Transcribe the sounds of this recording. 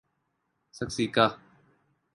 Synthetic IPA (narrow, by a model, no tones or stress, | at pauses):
səksika